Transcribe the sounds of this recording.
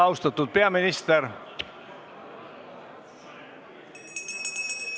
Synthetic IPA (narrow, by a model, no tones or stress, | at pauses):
ɑwst̪ɑt̪ːud̪̥̚peɑminist̪eɾ